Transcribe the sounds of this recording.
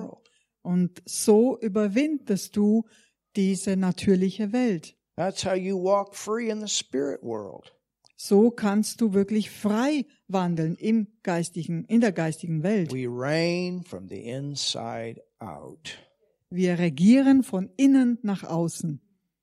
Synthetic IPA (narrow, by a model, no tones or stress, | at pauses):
lˠd̥ | ʔʊntz̥oːʔyːbɐvɪndəst̚d̥uː | d̥iːzənatʰyːɐlɪçəvɛlt | ðætshaʊjɨwɔkfɹiɨ̃nðəspɪɹɪ̰ʔ̚wɜ̰˞l̩ˠd̥ | z̥oːkʰanst̚d̥uːvɪɐklɪçfʁ̥aɪ | vandl̩nɪmɡ̥aɪstɪçŋ̩ɪndeːɐɡaɪstɪɡŋ̩vɛltwiɹẽɪ̃nfɹʌ̰̃mðḭʔɪ̃nsa̰ɪɾʔa̰ʊt | viːɐʁeɡiːʁənfɔnɪnənːaχʔaʊsn̩